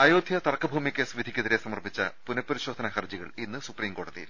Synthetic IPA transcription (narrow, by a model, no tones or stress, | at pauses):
ɐjoːd̪ʱjɐt̪ɐrɐkːɐbʱuːmikʲːesʋid̪ʱikʲːɐðiɾesɐmɐrpit͡ɕːɐ̰punɐpːɐɾiɕo̞ːd̪ʱɐnɐhɐrd͡ʑiɣɐ̰ɭinːɨsupriːmko̞ːɽɐðḭjḭl